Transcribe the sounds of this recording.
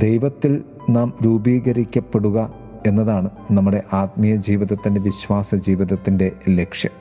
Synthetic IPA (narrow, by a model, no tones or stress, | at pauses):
d̪e̞jʋɐt̪ːil | naːmɾuːbiːɣɐɾikʲːɐpːe̞ɽuɣɐ | e̞nːɐðaːɳɨnɐmːuɽe̞ʔaːt̪̚mijɐd͡ʑiːʋiðɐt̪ːinde̞ʋiɕʋaːsɐd͡ʑiːʋiðɐt̪ːinde̞le̞kʂjɐ̰m